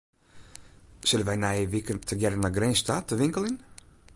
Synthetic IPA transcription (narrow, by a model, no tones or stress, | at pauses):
sɪlənʋɛjnajəʋɪkəntʰəɡjɛɾənaɡrɛnstatəʋɪŋkəlˠɪn